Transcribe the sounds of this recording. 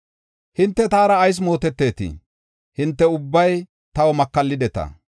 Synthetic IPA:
hɪnt̪ːɛt̪aːɾɐːjs̬mo̞ːt̪ɛt̪ːe̞ːt̪ḭ | hɪnt̪ːɛʊbːɐj | t̪ɐwɔmɐkːɐlːɪd̪ɛt̪ɐ̰

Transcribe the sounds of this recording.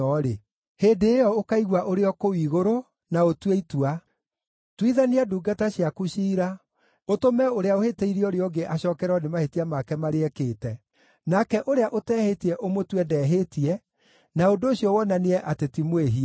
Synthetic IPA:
ɔɾe | heːndeːjɔokaiɣwaʔoɾeɔkowiːɣoɾo | naotweitwa | twiðaniaduːɡataɕiakuɕiːɾa | otomɛoɾeaoheteiɾioɾeɔɡeʔaɕɔːkɛɾɔnemahetiamakɛmaɾeɛkeːtɛ | nakɛʔoɾeaʔotɛːhetiɛʔomotwɛdɛːɦetiɛ | naondoːɕjɔwɔnaneɛʔatetimweɦi

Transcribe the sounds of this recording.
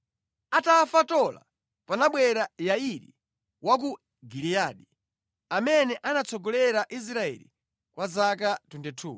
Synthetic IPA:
atafatɔla̰ | panaɓwɛɾajaiɾḭ | wak̬u | ɡilijaɗi | amɛnɛʔanat͡sʰɔɡɔlɛɾaʔis̬ɾaɛ̰lḭ | kwazakatundɛtʰuː

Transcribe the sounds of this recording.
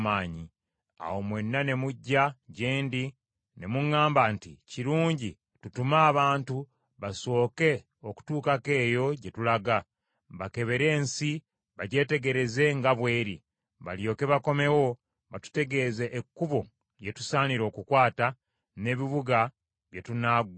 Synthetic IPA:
maːɲi | a̰wo̞mwe̞nːane̞muɟːaɟeːndi | ne̞muŋːaːmbantḭciɾuːɲɟi | tutumaːβaːntu | βaso̞ːke̞ | oku̥tuːkake̞ːjo̞ɟe̞tulaɡa | βake̞βe̞ɾe̞ːnsi | βaɟe̞ːte̞ɡe̞ɾe̞ze̞ŋɡaβwe̞ːɾi | βa̰ljo̞ːke̞βako̞me̞wo̞ | βatu̥te̞ɡe̞ːze̞ʔːkːuβo | je̞tu̥saːniɾo̞ːkukwaːta | ne̞ːβiβuɡa | βje̞tunaɡ

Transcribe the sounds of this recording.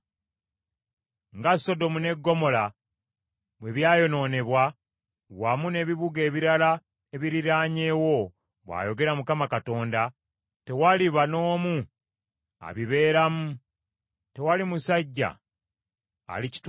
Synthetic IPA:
ŋɡasːo̞do̞mune̞ɡːo̞mo̞la | βwe̞βjaːjo̞no̞ːne̞βwa | wamune̞βiβuɡe̞ːβiɾala | e̞βiɾiɾaːɲe̞wo̞ | βwa̰ːjo̞ɡe̞ɾamukamakato̞ːnda | te̞waliβano̞ːmu | a̰βiβe̞ːɾamu | te̞walimusaɟːa̰ | lici̥t

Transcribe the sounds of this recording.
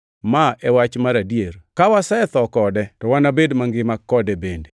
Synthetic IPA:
maʔɛwat͡ʃmaɾadijerkawasɛɛt̪ɔkɔdɛtɔwanabedmaŋɡɪmakːɔdɛbende

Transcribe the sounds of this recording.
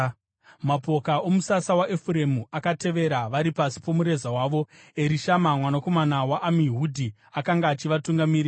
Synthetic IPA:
mapo̞kao̞musasawaʔefuɾe̞muakate̞ʋe̞ɾaʋaɾipasi̥po̞muɾe̞zawaːʋo̞ | eɾiʃamamwanako̞manawaʔːmiɦudʱi | akaŋɡaːt͡ʃiʋatuŋɡamiri

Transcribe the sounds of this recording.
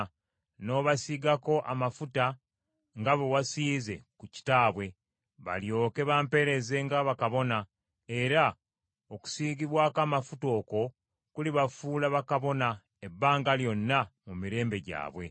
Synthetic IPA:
no̞ːβasiɡako̞ʔamafuta | ŋɡaβo̞wasiːze̞̰kuci̥taːβwe̞ | βa̰ljo̞ːke̞βaːmpe̞ɾe̞ze̞ŋɡaβakaβo̞na | e̞ɾa | oku̥siːɡiβwaːkaːmafuto̞ːko̞ | kuliβafuːlaβakaβo̞na | ebːaːŋɡaljo̞nːamumiɾe̞ːmbe̞ɟa̰ːβwe̞̰

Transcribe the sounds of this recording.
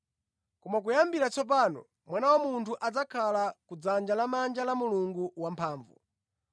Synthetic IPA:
kɔmak̬ujambiɾat͡sɔp̬anɔ̰ | mwanawamuntʰuʔad͡zakʰalakud͡zand͡ʒalamand͡ʒalamuluŋɡuwampʰaːɱvṵ

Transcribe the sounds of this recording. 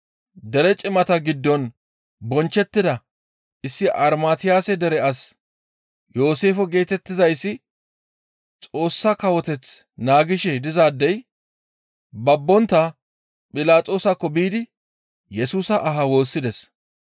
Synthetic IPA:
d̪ɛɾɛt͡ʃʼɪmɐt̪ɐɡɪd̪ːɔn | bɔnt͡ʃːɛt̪ːɪd̪ɐ | ʔɪsːɪʔɐɾmaːt̪ɪjaːsɛd̪ɛɾɛɐs | jo̞ːse̞ːfɔɡe̞ːt̪ɛt̪ːɪzɐjsːɪ | t͡sʼo̞ːsːɐkɐwɔt̪ɛt͡s | naːɡɪʃɛd̪ɪzaːd̪ːɛj | bɐbːɔnt̪ːɐ | pʼɪlaːtʼo̞ːsɐkːɔbiːd̪ɪ | jɛsuːsɐʔːɦɐwo̞ːsːɪd̪ɛs

